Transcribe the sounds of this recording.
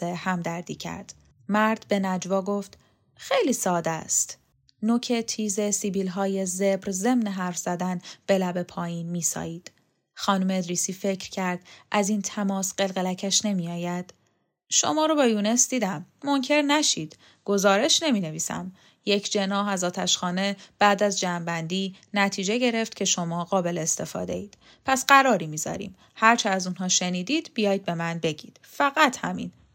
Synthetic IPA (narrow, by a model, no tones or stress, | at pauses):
ehæmd̪æɾd̪iːcʰæ̰ɾd̪̥ | mæɾd̪̥be̞næd͡ʒvɒːɡo̞ft̪ | xe̞jliːsɒːd̪æst̪ | nocʰe̞t̪ʰiːze̞sibiːlɦɒːjeze̞bɾze̞mneɦæɾfz̥æd̪ænb̥e̞læbe̞pʰɒːjiːnmiːsɒ̰ːjiːd̪̥ | xɒːnumeed̪ɾiːsiːfe̞cʰɾcʰæɾd̪̥ʔæziːnt̪ʰæmɒːsɢ̥e̞lɣelæcʰæʃne̞mijɒːjæd̪̥ | ʃo̞̰mɒːɾobɒːjune̞sd̪iːd̪æmːo̞ŋcʰe̞ɾnæʃiːd̪ | ɡ̥o̞zɒːɾe̞ʃne̞miːne̞viːsæ̰m | jecʰd͡ʒenɒːɦæzɒːt̪ʰæʃxɒːne̞b̥æːd̪æzd͡ʒæːmbænd̪iː | næt̪ʰiːd͡ʒe̞ɟe̞ɾe̞ft̪cʰe̞ʃo̞mɒːɣɒːbe̞leːst̪e̞fɒ̰ːd̪eiːd̪̥ | pʰæsɢæɾɒːɾiːmiːzɒ̰ːɾḭːm | hæɾt͡ʃʰeæzunɦɒːʃe̞niːd̪iːd̪̥bijɒːjd̪̚be̞mænbe̞ɟḭːd̪̥fæɣæt̪ʰhæmḭn